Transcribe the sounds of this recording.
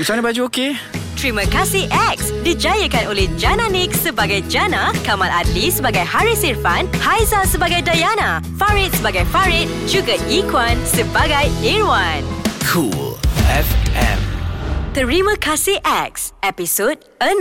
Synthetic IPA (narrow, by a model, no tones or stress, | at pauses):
bisanibad͡ʒuoke | t̪ɾimə̃kasiʔɛk̚sdid͡ʒajəkanolɛhd͡ʒananik̚səbaɡajd͡ʒanakamaladlisəbaɡajhaɹisirfanhajzasəbaɡajdajanafaɹit̪̚səbaɡajfaɹit̪̚d͡ʒuɡaikwansəbaɡajeɹwankʰulɛfɛ̰̃mt̪əɹimə̃kasiʔɛk̚sɛpisod̚ | ən